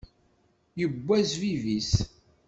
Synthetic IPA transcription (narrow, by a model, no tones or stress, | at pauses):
jəbʷːæzvivis